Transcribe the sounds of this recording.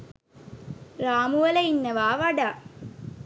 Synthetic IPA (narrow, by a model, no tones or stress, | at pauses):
ɾaːmuʋɐlɐinːɐʋaːʋɐɽa